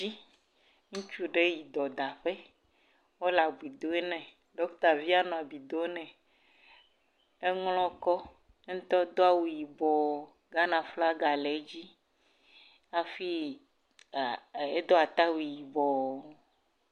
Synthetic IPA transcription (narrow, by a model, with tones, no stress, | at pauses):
i˦ | ŋũ˦t͡ʃu˦ɖe˦ji˨d̪ɔ˨d̪a˨ɸe˦ | wo˦la˨ɡ͡bi˨d̪o˦e˦nɛ̃˨ | ɖɔ˨˦ku˦t̪a˨vi˦a˦nɔ̃˨a˨bi˨d̪o˦nɛ̃˨ | e˦ŋlɔ̃˦kɔ˦ | ŋ̩˦t̪ɔ˦d̪o˦a˦wu˨ji˨bɔ˨ | ɡa˦nã˨fla˦ɡa˨le˨˦d͡ʑi˦ | a˨fi˦˨ | e˦d̪o˦a˨t̪a˦wu˨ji˨bɔ˨˦